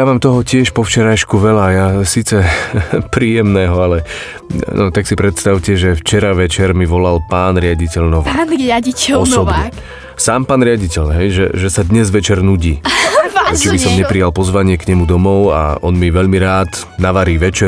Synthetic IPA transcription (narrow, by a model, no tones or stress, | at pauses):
jamaːmt̪ɔɦɔcɪɛʃpɔft͡ʃɛɾajʃkuʋɛlajasiːt͡sɛpɾiːjɛmnɛːɦɔalɛ | nɔt̪aksipɾɛt̪st̪aʊcɛʒɛft͡ʃɛɾaʋɛt͡ʃɛɾmiʋɔlalpaːnɾɪaɟicɛʎnɔʋḭːaicɔsɔbɲɛ | saːmpaːnɾɪaɟicɛʎɦɛjʒɛ̰ʒɛsad̪ɲɛzʋɛt͡ʃɛɾnuɟiː | ɛt͡ʃibisɔmɲɛpɾijalpɔzʋaɲɪɛkɲɛmud̪ɔmɔʊa̰ɔnmiʋɛʎmiɾaːd̪ | naʋaɾiːʋɛt͡ʃɛ